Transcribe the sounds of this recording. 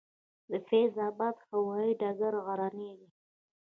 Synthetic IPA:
d̪əfezɑbɑd̪hawɑiɖɑɡaɾɣaɾaneɡi

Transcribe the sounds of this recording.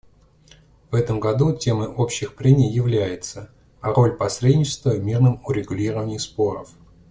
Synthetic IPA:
v̥ɛt̪əmɡɐd̪utʲe̞məʔo̞pɕːɪxpɾʲemʲɪjjɪvlʲæjɪt̪sə | ɐɾo̞lʲpɐsɾʲedʲnʲɪt͡ɕɪ̥st̪vəmʲirnɨmʊɾʲɪɡʊlʲiɾəvənʲɪjspo̞ɾə̰f

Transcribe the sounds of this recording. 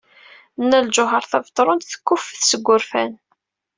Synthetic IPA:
nːæld͡ʒʊɦəɾˤθævt̪ˤːɾˤʊnt̪θə̥kːʊfθsəɡʷːʊɾfæn

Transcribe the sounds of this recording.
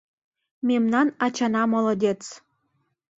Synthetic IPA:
memnɑnɑt͡ɕɑnɑmolɤ̆d̪ʲet͡s

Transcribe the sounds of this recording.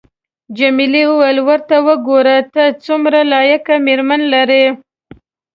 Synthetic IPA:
d͡ʒamilewəwajlwəɾt̪awəɡoɾat̪at͡sumɾalɑjakameɾmanlaɾe

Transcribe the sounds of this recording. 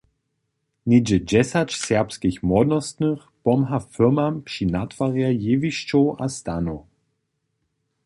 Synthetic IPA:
nid͡ʒəd͡ʒɛsat͡ʃsɛɐpskiçmɔdnəstnəχb̥ɔmɦafʏmampʃinatʰv̥aʁjajeːviʃt͡ʃoʔastano

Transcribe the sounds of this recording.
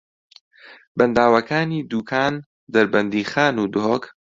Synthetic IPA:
bɐnd̪aːwɐkaːniːd̪uːkʰaːn | d̪ɐɾbɐnd̪iːxaːnuːd̪ʊɦok

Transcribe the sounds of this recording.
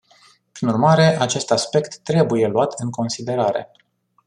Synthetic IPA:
pɾinurmaɾe̞ʔat͡ʃe̞st̪aspe̞kt̪ːɾe̞buje̞luat̪ʰɨŋko̞nsid̪e̞ɾaɾe̞̰

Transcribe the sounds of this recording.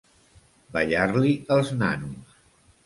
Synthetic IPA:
bəʎarliəlˠzna̰nus

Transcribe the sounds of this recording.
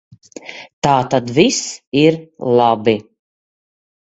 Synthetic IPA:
t̪aːt̪ad̪visiɾlˠabi

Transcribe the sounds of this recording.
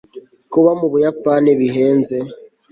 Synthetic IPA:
kuβamuβujapaneβiɦeːnze

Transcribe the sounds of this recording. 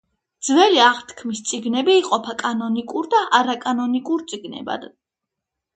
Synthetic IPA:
d̪zvɛliaʁt̪ʰkʰmist̪sʼiɡnɛbiːqʼɔpʰakʼanɔnikʼuɾd̪aʔaɾakʼanɔnikʼuɾt̪sʼiɡnɛ̰ba̰d̪

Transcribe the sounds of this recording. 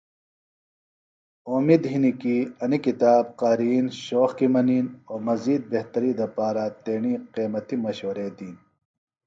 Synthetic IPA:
oːmid̪ɦinikiɐnikit̪aːb̚qaːɾiːnɕoːxkimɐniːnoːmɐziːd̪̚beht̪ɐɾiːd̪ɐpaːɾat̪eːɳiːqeːmɐt̪imɐɕwɐɾeːd̪iːn

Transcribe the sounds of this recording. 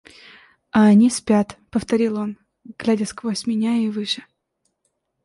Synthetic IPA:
ɐːnʲisʲpʲat̪pəft̪ɐɾʲilˠo̞n | ɡ̥lʲædʲəskvosʲmʲɪnʲaivɨʂɨ̥

